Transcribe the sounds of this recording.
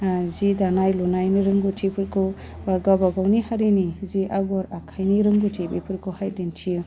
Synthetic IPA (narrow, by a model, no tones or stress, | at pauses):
zidanajlunajniɾɯŋɡutʰipʰɯɾkʰu | aɡabaɡawnihaɾiniziʔaɡɔɾakʰajniɾɯŋɡutʰibipʰɯɾkʰuhajdentʰiju